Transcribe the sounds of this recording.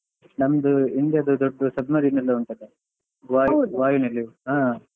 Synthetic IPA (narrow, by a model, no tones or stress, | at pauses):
nɐmɐd̪uind̪jɐd̪ud̪oɖːɐsɐbmɐɾinɐlːɐuɳt̪ɐd̪e | ʋaːjuʋaːjunɐlːiɦaː